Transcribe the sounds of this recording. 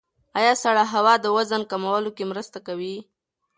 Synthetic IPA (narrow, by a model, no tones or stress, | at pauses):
ɑjɑsaɽaɦawɑd̪əwazənkamawəlokemɾəst̪akawi